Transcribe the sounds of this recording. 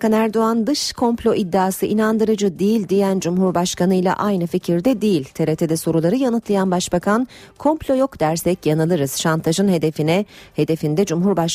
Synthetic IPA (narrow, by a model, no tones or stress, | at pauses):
kʰanæɾd̪o̞and̪ɯʃkʰo̞mplʲo̞ʔid̪ːaːsɯʔinand̪ɯɾɯd͡ʒɯd̪ijilʲd̪ijænd͡ʒumɦuɾbaʃkanɯjlˠa̰ʔajnɯficʰiɾd̪ɛd̪ijilʲt̪ʰeɾet̪ʰed̪ɛso̞ɾulˠaɾɯjanɯt̪lˠajanbaʃbakʰankʰo̞mplʲo̞jo̞kd̪æɾsɛcjanɯlˠɯɾɯz̥ʃant̪ʰaʒɯnhe̞d̪efinɛhe̞d̪e̞find̪ɛd͡ʒumɦuɾbaʃ